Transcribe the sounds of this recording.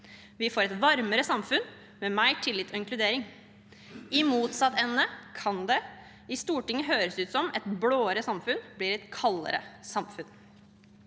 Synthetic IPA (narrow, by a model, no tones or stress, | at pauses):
ʋɪfoːɾɛt̪ʋɑɾməɾəsɑmfʉn | mɛmæɪʈʰɪlːɪt̪ʰːɔɪŋklʉd̪eːɾɪŋ | ɪmuːt̪sɑt̪ɛnːəkʰɑnd̪ɛ | ɪst̪uːʈɪŋːəɦøːɾəsʉːt̪sɔmɛt̪bloːəɾəsɑmfʉnbliːɾɛt̪kʰɑlːə̰ɾə̰sɑmfʉn